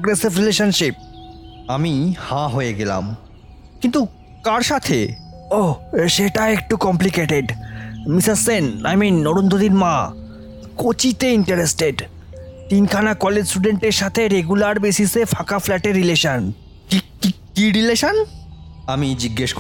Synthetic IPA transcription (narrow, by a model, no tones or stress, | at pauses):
poɡɾesibɾileʃonʃip̚amihãɦojeɡela̰m | kint̪u | kaɾʃat̪ʰḛ | oʃeʈaek̚ʈukɔmplikeʈeɖmisaɾsena̰jminːoɾond̪ʱod̪iɾma | kot͡ɕit̪eiɳʈaɾesʈeɖ | t̪inkʰanakɔled͡ʑsʈuɖeɳʈeɾʃat̪ʰeɾeɡulaɾbesisefʰakaflɛʈeɾːileʃon | kikikiɾileʃon | amid͡ʑiɡːeʃk